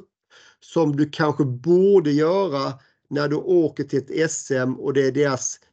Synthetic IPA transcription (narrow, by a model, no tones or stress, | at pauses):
p | sɔmd̪ʉkʰanɧəbuːɖəjœːɾa | næɖɵʔoːkəʈʰɪlt̪ɛsɛmɔd̪ɛæɖeːɾas